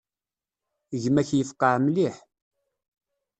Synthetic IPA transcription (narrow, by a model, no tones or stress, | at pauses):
ʝmæçjəfqːəʕmliħ